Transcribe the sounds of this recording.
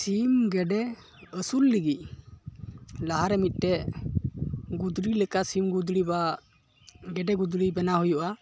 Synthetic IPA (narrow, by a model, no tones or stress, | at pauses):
simɡɛɖɛ | əsulːiɡic̚ | laɦaɾɛmit̪̚ˀt̪ɛ | ɡud̪ɾilɛkasimɡud̪ɾiba | ɡɛɖɛɡud̪ɾibɛnaɦujuʔa